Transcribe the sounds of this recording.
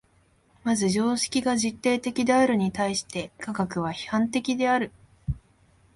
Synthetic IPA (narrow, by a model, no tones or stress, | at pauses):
mazɨʑo̞ːɕi̥kʲiɡaʑit̪ːe̞ːt̪e̞kʲid̪e̞aɾɯ̟ɲ̟it̪aiɕi̥t̪e̞kaɡakɯ̟β̞açi̥hãnt̪e̞kʲid̪e̞aɾɯ̟